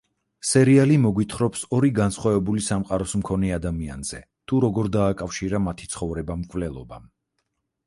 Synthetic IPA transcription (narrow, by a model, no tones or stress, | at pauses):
sɛɾialimɔɡwit̪ʰχɾɔpsɔɾiɡansχwavɛbulisamqʼaɾɔsmkʰɔnɛad̪amia̰nz̥ɛ̰ | t̪ʰuɾɔɡɔɾd̪aːkʼafʃiɾamat̪ʰit̪sʰχɔvɾɛbamkʼvlɛlˠɔbam